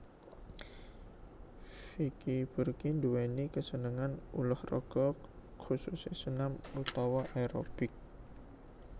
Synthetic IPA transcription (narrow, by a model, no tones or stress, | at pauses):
fikib̥urkind̪uwenikəsənəŋanṵlʊhrɔ̰ɡ̥ɔkʰususesənamut̪ɔwɔʔeɾo̰bɪk̚